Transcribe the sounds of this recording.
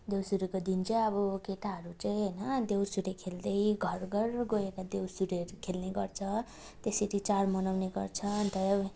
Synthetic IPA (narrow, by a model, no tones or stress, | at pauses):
d̪ewsuɾikod̪int͡saj̃ʌbʌkeʈaɦʌɾut͡saj̃ɦʌjnʌd̪ewsuɾekʰeld̪ʌjɡʱʌrɡʌrɡoekad̪ewsuɾɾkʰelneɡʌrt͡sʰʌ | t̪eseʈʰit͡saɾmʌnawneɡʌrt͡sʰʌnt̪ʌjʌ